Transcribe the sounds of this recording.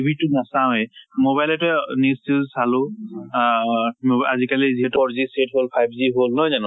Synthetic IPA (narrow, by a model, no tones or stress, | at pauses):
bʱitunasaɛmoβajlɛtɔnistizsalu | mazikaliziɦɛtɔɔɹzisetɦolpʰajb̚ʰziɦolnɔjzanʊ̃